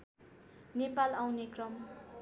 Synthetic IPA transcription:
nepalawnekrʌm

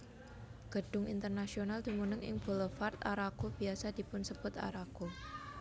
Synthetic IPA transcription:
ɡ̥ə̤ɖ̥ʊŋḭnt̪ərnasionald̪̥i̤munəŋɪ̰ŋb̥o̤lɔfart̪a̰ɾakob̥i̤asad̥i̤pʊnsəbʊt̪a̰ɾako

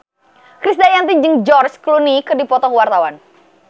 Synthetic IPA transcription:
kɾisdajant̪iɲd͡ʒɨŋd͡ʒɔrsklunikɨdipɔt̪ɔhwart̪awan

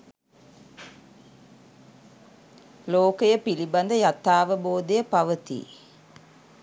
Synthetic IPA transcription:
loːkəjəpiliband̪əjat̪ːaːʋəboːd̪ejəpaʋət̪ḭː

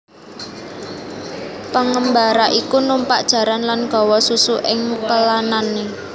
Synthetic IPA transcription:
pəŋəmbaɾaʔikunumpaʔd̥ʒ̥a̤ɾanlanɡ̥ɔ̤wɔsusuʔɪŋpəlanane

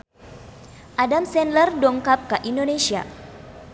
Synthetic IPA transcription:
ʔadamsɛnlərdɔŋkap̚kaʔindonesia̰

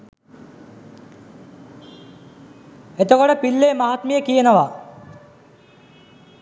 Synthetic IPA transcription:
et̪okoʈəpilːeːmaɦat̪mijəkijənəʋa

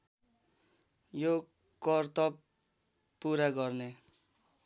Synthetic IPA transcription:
jo | kʌrt̪ʌp | puɾaɡʌrne

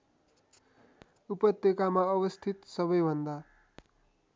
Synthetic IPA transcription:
upʌt̪jekamaʌbʌst̪ʰit̪sʌbʌjbʱʌnd̪a

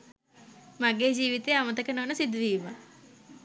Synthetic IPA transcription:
maɡeːd͡ʒiːʋit̪eːamət̪əkənəʋənəsid̪ʋiːma

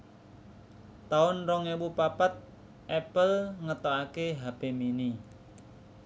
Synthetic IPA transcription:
t̪aʊnrɔŋewupapat̪̚ | ʔɛpəlŋət̪ɔakeɦab̥emini

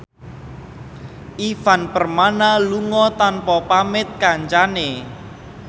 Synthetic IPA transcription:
ʔifanpərmanaluŋɔt̪anpɔpamɪt̪̚kaɲt͡ʃane

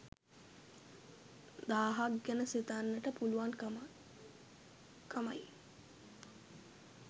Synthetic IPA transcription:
d̪aːɦakɡænəsit̪anːəʈəpuluʋan | kʰama̰j

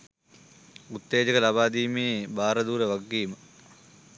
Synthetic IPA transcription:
ut̪ːeːd͡ʒəkəlabaːd̪iːmeːbaːɾəd̪uːɾəʋaɡːiːmə

